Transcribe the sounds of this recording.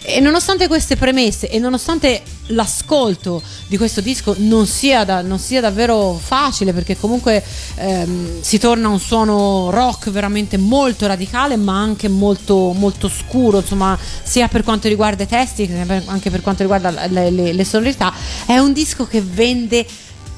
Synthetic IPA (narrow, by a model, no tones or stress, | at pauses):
enːonost̪ant̪ekwest̪epɾemesːeʔenːonost̪ant̪e | laskolt̪o | d̪ikwest̪od̪iskononsiːad̪anonsiːad̪avːeːɾofaːt͡ʃileperkekːomuŋkwe | sit̪ornaunswɔːnoɾɔkːveɾament̪emolt̪oɾad̪ikaːlemaaŋk̟emolt̪omolt̪oskuːɾoinsomːasiːaperkwant̪oɾiɡward̪ait̪ɛst̪isiaaŋkeperkwant̪oɾiɡward̪alelelesonoɾit̪aɛund̪iskokevɛnd̪e